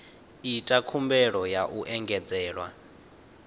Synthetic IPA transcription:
itʼakʰumbɛɺɔjaʔuʔɛŋɡɛd͡zɛːɺwa̰

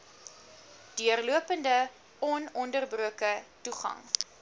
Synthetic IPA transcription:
d̥yərluəpəndə | ɔnɔndərbruəkətuχɐ̰ŋ

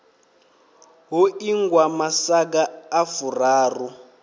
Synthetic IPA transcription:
ɦuiŋɡwamasak̬aːfuraːru

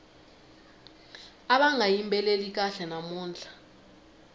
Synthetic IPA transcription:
aɓaŋʱajimbʱɛlelik̬ʼaɬɛnamuːnd͡ɮʱḁ

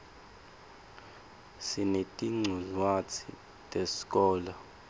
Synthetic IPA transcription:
sinetʼiŋ͡ǀʱuzwat͡sʰḭ | tʼesi̥kʼɔːla

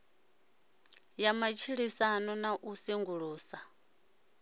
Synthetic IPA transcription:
jamat͡ʃʰiɺisanɔnaʔusiŋɡuɺuːsa

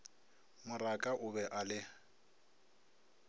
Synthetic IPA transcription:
mʊrakʼaʔʊbɛʔalɪ

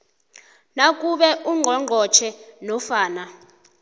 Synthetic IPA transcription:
nak̬ʼuɓɛʔuŋ͡ǃʱɔŋ͡ǃʱɔt͡ʃʰɛnɔfaːna

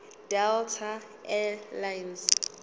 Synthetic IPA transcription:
d̥ɛltʰa | ɛlajns

